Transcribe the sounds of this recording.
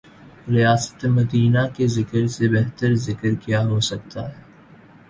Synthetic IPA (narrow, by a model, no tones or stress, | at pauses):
ɾijaːsə̥t̪emɐd̪iːnakezɪkəɾsebɛɦt̪əɾzɪkəɾkjaɦosɐk̚t̪a̰ɦɛː